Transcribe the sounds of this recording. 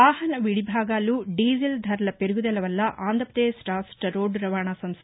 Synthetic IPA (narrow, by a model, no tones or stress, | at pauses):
aːhɐnɐʋiɽibʱaːɡaːluːɖiːzɐld̪ʱɐɾɐlɐpeɾuɡud̪ɛlɐʋɐlːɐʔaːnd̪ɐpɐd̪eːsɾaːsʈɐɾoːɖɾɐʋaːɳasɐms